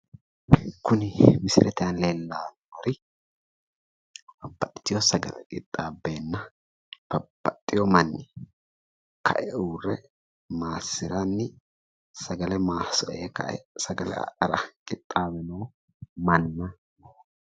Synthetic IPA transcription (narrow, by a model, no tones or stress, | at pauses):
kʊnɪmɪsɪ̰lʔɛt̪ɪjɐnleːlːaːnɔɾɪ | bɐbːɐt̪ʼːɪ̥t̪ːɪjɔsɐɡɐ̰lɛ̰kʼɪt̪ʼːaːbːe̞ːnːɐ | b̥ɐb̥ːɐt̪ʼːɪjɔmɐnːɪ | kʰɐ̰ʔɛuːrɛ | maːsːɪɾɐnːɪ | sɐɡɐlɛmaːsɔʔeːkɐ̰ʔɛ̰sɐɡɐlɛ̰ʔɐɾɐkʼɪt̪ʼːaːbɛnowː | mɐnːɐ